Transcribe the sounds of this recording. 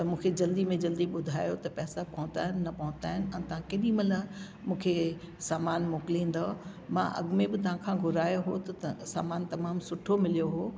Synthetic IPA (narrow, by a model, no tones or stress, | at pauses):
t̪ɐmũːkʰed͡ʑɐld̪imẽd͡ʑɐld̪iɓʊd̪ʱaːjot̪ɐpɛːsapɐɦʊ̃nd̪aːɦɪnɪnɐpɐɦʊ̃nt̪aːɦɪnɪ̆ɛ̃ːt̪ɐʋ̤ãkɐɗimɐlə | mũːkʰe | saːmaːnmoːkɪlĩːn̆d̪o | mã̰ʔɐ̰ɠmẽbɪt̪ɐʋ̤ãkʰãɡʱʊɾaːjoɦot̪ɐsa̰ːmaːnt̪ɐmaːmsʊʈʰomɪlijoɦoː